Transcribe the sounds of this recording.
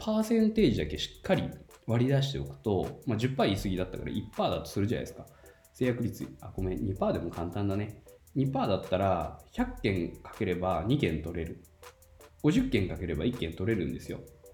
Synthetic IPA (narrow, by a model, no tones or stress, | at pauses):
pʰaːsẽ̞nt̪e̞ːʑid̪akeɕi̥kʰːaɾʲi | βaɾʲid̪aɕ̬i̥t̪e̞o̞̰kɯ̟̥t̪o̞mad͡ʑɨpːaiisɨɡʲid̪at̪ːakaɾa̰ʔipːaːd̪at̪ːo̞̥sɨɾɯ̟ʑãna̰d̪esɨ̥ka | se̞ːjakɯ̟ɾʲit͡sɨako̞meɲ̟ipaːd̪e̞mo̞kãnt̪ãnd̪aneɲ̟ipaːd̪at̪ːaɾaçakːẽ̞ŋkḁke̞ɾe̞baɲ̟ikẽ̞nt̪o̞ɾe̞ɾɯ̟ | ɡ̥o̞ʑɨkːẽ̞ŋkake̞ɾe̞ba̰ikːẽ̞nt̪o̞ɾe̞ɾɯ̟̃nd̪e̞sɨjo̞̰